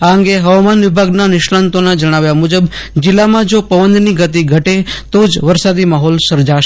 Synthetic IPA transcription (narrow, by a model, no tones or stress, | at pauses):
aəŋɡeɦəʋamanʋɪbʱaɡnanɪʃɽant̪onad͡ʒəɽ̃aʋjamud͡ʒəb | d͡ʒɪlːamãd͡ʒopəʋənd̪niɡət̪iɡʱəʈet̪od͡ʒʋəɾsad̪imaɦɔlsəɾd͡ʒaʃe